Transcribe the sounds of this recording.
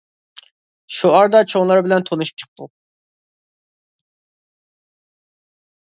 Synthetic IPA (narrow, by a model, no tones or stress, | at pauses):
ʃuɑɾd̪ɑt͡ʃʰoŋlˠɑɾbɪlɛnt̪ʰonuʃp̚t͡ʃʰə̥q̚t̪ʰṵ